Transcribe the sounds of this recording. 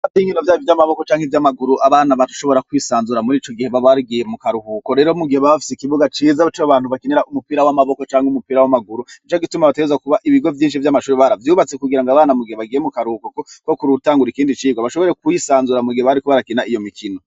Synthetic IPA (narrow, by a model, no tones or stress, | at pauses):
atiːɲinovjaːjovjamaβo̞ko̞t͡ʃaːŋhevjamaɡuɾuʔaβaːnaβatu̥ʃo̞βo̞ɾakwisaːnzuɾamuɾiːt͡ʃo̞ɡihe̞βaβaɾɡije̞mukaɾuhukoɾe̞ːɾomuɡiheβaβafi̥sikiβuɡat͡ʃiːzaβat͡ʃoβaːn̥uβakineɾaʔumupiːɾawamaβo̞ko̞t͡ʃaːŋheumupiːɾawamaɡuɾuit͡ʃaɡitumaβateɡzakuβaʔiβiɡo̞vjiːnʃivjamaʃuːɾeβaɾavjuːβat͡sekuɡiɾaŋɡaβaːnamuɡiheβaɡije̞mukaɾuhukokoko̞kuɾutaːŋɡuɾikiːndit͡ʃiːɡwaβaʃo̞βo̞ɾe̞kuisaːnzuɾamuɡiheβaɾikoβaɾakinaijo̞mikʰino